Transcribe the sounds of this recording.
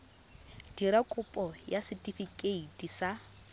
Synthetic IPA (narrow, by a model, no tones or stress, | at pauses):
d̥iɾakʼʊpʼɔjasɪtʼifikʼeitisa